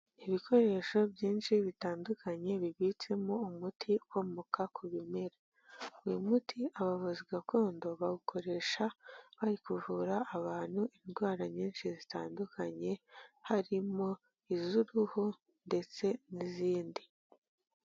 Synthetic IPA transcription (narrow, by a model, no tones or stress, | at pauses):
iβikʰo̞ɾe̞ʃo̞bɟiːnʃiβitaːndukʰaɲe̞βiβit͡se̞moumutʰikomukakʰuβime̞ɾa | imutʰiʔaβaβuziɡakʰo̞ːndo̞βaɡukʰo̞ɾe̞ʃaβaɾikuvuɾaʔːβaːn̥huinɡwaːɾaɲiːnʃizitaːndukʰaɲe̞haɾimo̞ | izuɾuho | nde̞t͡se̞niziːndi